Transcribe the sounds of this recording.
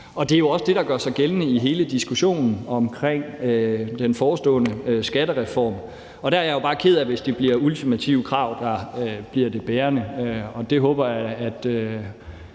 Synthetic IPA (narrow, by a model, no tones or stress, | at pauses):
ɒ̽d̥e̝æjo̝ɒ̽səd̥e̝ɾ̥ɑ̈ɡ̥ɶɐsɑ̈ɪɡ̥elənəiɦe̝ːləd̥isɡ̥uɕo̝̰ːnn̩ɒ̽mkʰʁeŋ̰ød̥enfɒːsd̥ɔ̰̽ːnəøsɡ̥æɾ̥əʁɛfɒ̰ːm | ɒ̽d̥æɐæɐjajo̝b̥ɑ̈ːkʰe̝ð̞̰ˠæʋe̝sd̥e̝b̥liɐult͡sʰimæt͡sʰiʊ̰kʰʁɑ̈ʊ̰d̥ɑ̈øb̥liɐd̥e̝b̥eːɐnəɒ̽d̥e̝ɦɔ̰̽ːb̥ɐjɑ̈ɪæd̥ø